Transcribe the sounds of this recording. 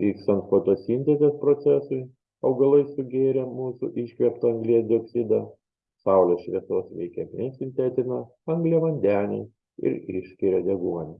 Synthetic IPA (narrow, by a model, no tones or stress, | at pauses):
ʋʲiːkst̪ɐnt̪foːt̪oːsʲinʲt̪ʲɛkʲɛspɾoːt̪sʲɛsʊɪ | ɐʊɡɐlˠɐɪsʊɡʲeːɾʲɛmuːsʊ̰ʔiʃʲkʲʋʲiɛpt̪ɐɐŋɡlʲiɛsd̪ʲɪoːksʲid̪ɐ | sɐʊlʲoːsʃʲʋʲiɛsoːsʋʲɛ̰ɪkʲɛmʲɛnsʲɪnʲt̪ʲɛt̪ʲɪnɐ | ɐŋɡlʲiɛʋɐnʲd̪ʲæːnʲɛ̰ɪ | ɪ̰ɾɪ̰ʃʲkʲɪɾʲɛd̪ʲɛɡuɔnʲɛ